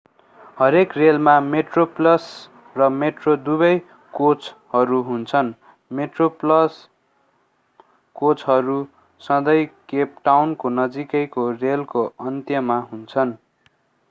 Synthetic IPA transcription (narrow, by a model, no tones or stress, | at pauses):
hʌɾekrelmameʈroplʌs | rʌmeʈrod̪uβʌj | kot͡shʌɾuɦunt͡sʰʌn | meʈroplʌs | kot͡sɦʌɾu | sʌ̃d̪ʌjkep̚ʈawnkonʌd͡zikʌjkorelkoʌnt̪jʌmaɦunt͡sʰʌn